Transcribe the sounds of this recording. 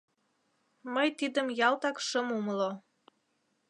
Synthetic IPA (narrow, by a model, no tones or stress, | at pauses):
məjt̪id̪əmjɑlˠt̪ɑkʃəmuməlo